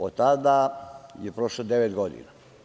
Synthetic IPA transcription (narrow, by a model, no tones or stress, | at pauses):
ot̪ːad̪ajepɾoʃlod̪eʋet̪ɡod̪ḭna